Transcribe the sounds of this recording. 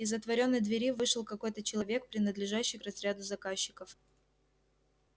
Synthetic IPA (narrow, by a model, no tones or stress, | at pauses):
ɪzət̪vɐɾʲo̞nːəjd̪vʲɪɾʲivɨʂɨlˠkɐko̞jt̪ət͡ɕɪlˠɐvʲe̞k̚pɾʲɪnəd̪lʲɪʐaɕːɪjkrɐzɾʲad̪ʊzɐkaɕːɪ̥kəf